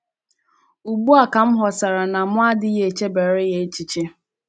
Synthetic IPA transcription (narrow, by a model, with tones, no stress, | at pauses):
u˨bu˦a˨ka˨m̩˦ɦɔ˨sa˨ɾa˨na˨mʷ˦a˦dɪ˦je˨t͡ʃe˦be˨ɾɪ˦ɣe˦t͡ʃi˨t͡ʃe˦